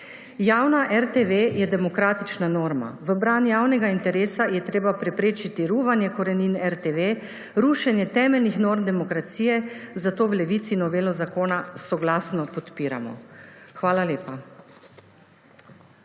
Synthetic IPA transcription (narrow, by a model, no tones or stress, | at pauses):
jaːwnaʔɛɾt̪eʋejɛd̪ɛmɔkɾaːt̪it͡ʃnanoːɾma̰ʋəbɾanjaːwnɛɡaint̪ɛɾeːsajɛt̪ɾeːbapɾɛpɾeːt͡ʃit̪iɾuːʋanjɛkɔɾɛniːnɛɾt̪eːʋe | ɾuːʃɛnjɛt̪ɛːmɛlnixnoːɾmd̪ɛmɔkɾat̪siːjɛzat̪oːwlɛʋiːt̪sinɔʋeːlɔzakoːnasɔɡlaːsnɔpɔt̪piːɾa̰mɔ̰xʋaːlaleːpa